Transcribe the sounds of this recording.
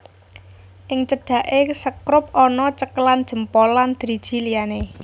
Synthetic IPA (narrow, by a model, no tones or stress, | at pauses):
ʔɪŋt͡ʃəɖ̥ä̤ʔesəkɾʊp̚ɔnɔt͡ʃəkəland̥ʒ̥ə̤mpɔland̪̥ɾi̥ʒ̥i̤liane